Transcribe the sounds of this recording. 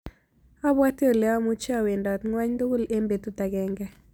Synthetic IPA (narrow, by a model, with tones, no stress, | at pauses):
ɔ˦bwa˦tjo˦˨lɛ˦ɔ˦mu˦t͡ʃa˦˨we˨ndɔ˨t̪ŋwa˦ɲd̪o˦ɡu˦le˦mbe˨t̪u˦t̪a˨ɡɛ˨ŋɡɛ˦